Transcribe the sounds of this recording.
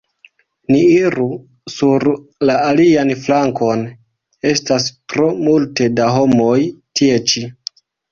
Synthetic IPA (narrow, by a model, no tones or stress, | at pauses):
niiɾu | suɾlaalianflaŋko̞n | e̞staspɾo̞multe̞daɦo̞mo̞jtie̞t͡ʃi